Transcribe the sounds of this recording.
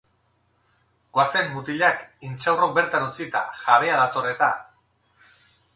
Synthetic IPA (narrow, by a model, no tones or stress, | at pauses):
ɡ̥oase̞mːut̪iʎakint͡ʃawrobe̞ɾt̪anut͡sit̪a̰ʝaβeaðat̪o̞re̞t̪a